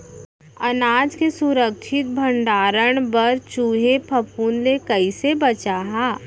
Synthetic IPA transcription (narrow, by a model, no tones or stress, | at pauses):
ɐnaːd͡ʒkesuɾəkt͡ʃʰɪt̪̚bʱə̃ɳɖaːɾəɽ̃bəɾt͡ʃuɦepʰɐpuːnlekɐisebɐt͡ʃaːɦaː